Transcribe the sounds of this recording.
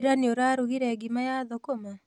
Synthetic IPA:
ɾaneoɾaɾuɣiɾɛɡimajaðokoma

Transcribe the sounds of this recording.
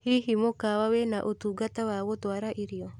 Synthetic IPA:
hiɦimokawawenaʔotuːɡatawaːɣotwaɾaʔiɾiɔ

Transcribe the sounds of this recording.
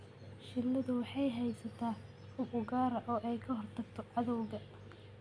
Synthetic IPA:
ʃɪlːɐðʊwɑħɑjɦɛjsɐt̪ʰaː | ʊbʔʊɣaːɾɐʔɔːʔɛjkʰɐɦrt̪ʰɐɡt̪ʰɔʕɑðɔwɣɐ

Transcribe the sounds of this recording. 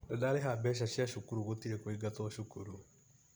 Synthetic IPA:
dɛdaɾeɦabɛʃ̬aɕjaʃukuɾuɣotiɾɛkweɡatoaʃukuɾu

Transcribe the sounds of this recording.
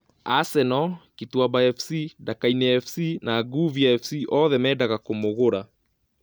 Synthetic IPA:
asɛnɔkituabaɛfsidakainɛɛfsinaːɡuviaɛfsiʔɔðɛmɛdaɣakomoɣoɾa

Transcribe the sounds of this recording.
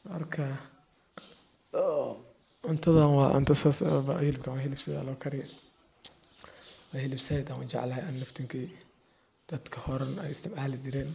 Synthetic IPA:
mɐrkʰɐ | ʔʊnt̪ʰɐðɐnwɑːʔʊ̰nt̪ʰɐsasbɐhɪlɪbkʰɐwaɦɪlɪbsɪða̰ːlɔːkʰɐɾɪj | wahɪlɪbsɐjd̪ɐʊ̰t͡ʃɑ̰ʕlɐɛʔɐnːɐft̪ʰɪŋkʰiː | d̪̥ɐd̪̥kʰɐhɔɾɐnɛ̰jɪst̪ʰɪmʕaːlɪd͡ʒɪɾɛːn

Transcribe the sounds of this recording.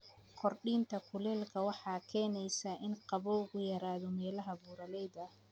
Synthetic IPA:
kʰɔrɖiːnt̪ʰɐkʰʊlɛːlkʰɐwɑħɑːkʰɛːnɛjsaʔɪnqɑβɔʊɣʊjɐɾaːðɔmɛːlɐɦɐbuːɾɐlɛjðɐ

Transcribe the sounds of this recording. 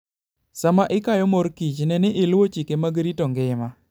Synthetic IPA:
samaʔɪkajɔmoɾkit͡ʃnɛnɪʔɪlwot͡ʃikemaɡɾitoŋɡɪma

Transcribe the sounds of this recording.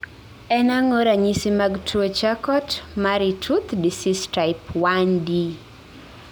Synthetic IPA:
ɛnaŋoɾaɲisimaɡtʰot͡ʃakɔtmaɾitʰut̪disistaɪpwandi

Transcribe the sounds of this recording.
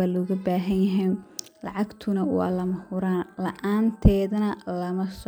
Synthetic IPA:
aːlɔːɣɐbaːɦɐnjɐɦɛj | lɑʕɑɡt̪ʰʊnɐwɑ̰ːlɐmɐhʊɾaːnlɐʔaːnt̪ʰɛːðɐnɐlɐmɐs

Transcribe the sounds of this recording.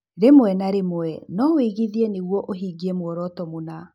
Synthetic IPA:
ɾemoɛnaɾemoɛnɔweɣiðieneɣwɔʔoɦiːɡiemwɔɾɔtɔmona

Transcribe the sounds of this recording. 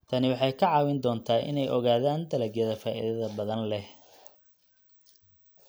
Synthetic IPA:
t̪ʰɐnɪwɑħɑjkʰɐʕɑːwɪnd̪ɔːnt̪ʰaːʔɪ̰nɛjʔɔɣaːðaːnd̪ɐlɐɡjɐðɐfaːʔḭðɐðɐbɐðɐnlɛh

